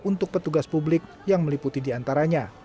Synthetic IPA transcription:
unt̪ʊk̚pət̪uɡaspublɪk̚ | jaŋməliput̪idiant̪aɾaɲa

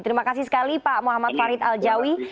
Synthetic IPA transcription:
t̪əɾimakasisə̥kalipamuɦamat̪̚faɾɪt̪ald͡ʒawi

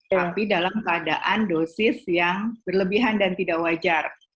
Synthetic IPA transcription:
apidalamkəada̰ʔandosɪsjaŋb̥ərləbiɦandant̪idaʔwad͡ʒar

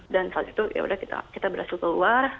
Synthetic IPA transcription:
dansat̪it̪ujʔa̰ṵdahkit̪a̰kit̪abəɾhasɪlk̪əluar

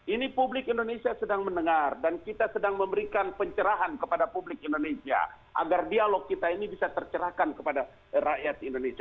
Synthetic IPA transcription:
inipublɪkindonesiasədaŋmənəŋardankit̪asədaŋməmbəɾikanpəɲt͡ʃəɾaɦankəpadapublɪkindonesia̰ | ʔa̰ɡardialokːit̪ainibisat̪ərt͡ʃəɾahkankəpada | ɾaʔjat̪indonesia

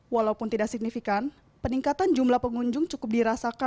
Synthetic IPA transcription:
walaupʊnt̪idaʔsiɡ̚nifikan | pəniŋkat̪and͡ʒumlahpəŋuɲd͡ʒʊŋt͡ʃukʊp̚diɾasaka

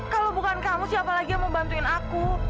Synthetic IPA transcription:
kalobukankamusɪhapalaɡijaŋməmbant̪uɪnaku

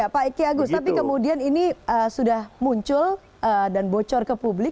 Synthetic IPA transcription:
apaikiaɡʊst̪ap̬ikəmudianiniəsudahmuɲt͡ʃʊl | ədanbot͡ʃɔrkəpublɪk

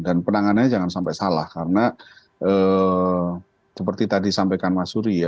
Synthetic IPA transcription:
danpənaŋanaɲad͡ʒaŋansampajsalahkaɾəna | ʔə | səpərt̪it̪adisampajkanmasuɾija

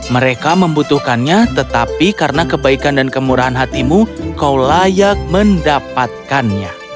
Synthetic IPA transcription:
məɾekaməmbut̪uhkanɲat̪ət̪apikaɾənakəbaikandankəmuɾaɦanɦat̪imukawlajak̚məndapat̪̚kanɲa̰

